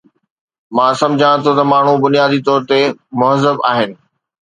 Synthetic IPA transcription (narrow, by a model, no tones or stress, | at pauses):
mãːsɐ̃md͡ʑʱãt̪ʰot̪ɐmaːɳ̤ubʊnijaːd̪it̪ɔːɾt̪emʊɦəzəbaːɦɪnɪ̆